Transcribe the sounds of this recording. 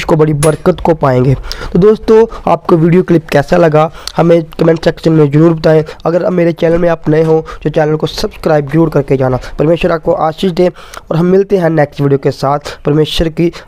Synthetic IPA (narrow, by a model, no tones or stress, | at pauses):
ʃkobɐɽibəɾkət̪kopaːẽːŋɡeːt̪oːd̪oːst̪õːa̰ːp̚koʋiːɖijoklɪpkɛːsalɐɡahɐmẽkəmɛ̃ɳʈsɛːkʃənmẽzəɾuːɾbət̪aːẽɐɡəɾɐ̰meːɾet͡ʃɛːnəlmẽaːpnɐẽɦõd͡ʒoːt͡ʃɛːnəlkosɐbskɾaːɪbzəɾuːɾkɐɾked͡ʒaːnaːpɐɾmeːʃəɾaːp̚koʔaːʃɪʃd̪eː | ɔːɾɦɐmːɪlt̪eɦɛ̃nɛːksʈʋiːɖijokesaːt̪ʰpɐɾmeːʃəɾki